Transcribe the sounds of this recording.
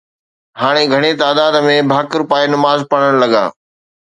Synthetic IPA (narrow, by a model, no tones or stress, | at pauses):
haːɽ̃eɡʱɐɽ̃et̪aːd̪aːd̪mẽbʱaːkɪɾpaːenɐmaːzpɐɽ̃əɽ̃lɐɠa̰ː